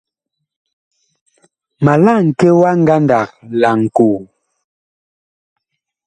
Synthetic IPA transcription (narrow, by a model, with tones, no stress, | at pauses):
ma˨la˦˨ŋ̩˨kɛ˦wa˦ŋ̩˦ɡa˦nda˨k̚la˨ŋ̩˨ku˨